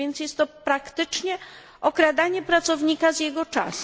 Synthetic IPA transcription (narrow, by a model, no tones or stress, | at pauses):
ɛnt̪sjɛst̪ːɔpɾakt̪ɘt͡ʂɲɛ | ɔkɾad̪aɲɛpɾat̪sɔvɲikazjɛɡɔt͡ʂa̰s